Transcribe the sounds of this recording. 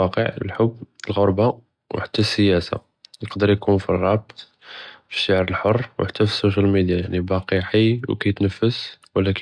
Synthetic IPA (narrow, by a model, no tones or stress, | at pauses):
ɑqə̰ʕlħʊbːəlɣoɾba | wħḁt̪ːæsːəjæsa̰ | nəqd̪əɾjkunfirˤːɑb̚t̪ˤ | fi̥ʃːaʕɾəlħorˤːwħat̪ːæfi̥sːuʃ̬ælmid̪jajaʕnibɑqiħijwkæjt̪nəfːəswəlːæk